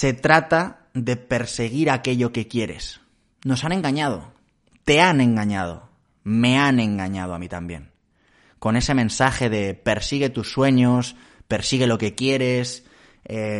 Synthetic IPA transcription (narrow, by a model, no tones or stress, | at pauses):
se̞t̪ɾat̪a | ðe̞pe̞ɾse̞ɣ̞iɾake̞ʎo̞ke̞kje̞ɾe̞̰s | no̞sane̞ŋɡaɲað̞o̞̰ | t̪e̞anẽ̞ŋɡaɲað̞o̞̰ | me̞anẽ̞ŋɡaɲað̞oamit̪ambje̞̰ŋ | ko̞ne̞se̞mẽ̞nsaxe̞ðe̞pe̞ɾsiɣ̞e̞t̪usːwe̞ɲos | pe̞ɾsiɣ̞e̞lo̞ke̞kje̞ɾe̞s | e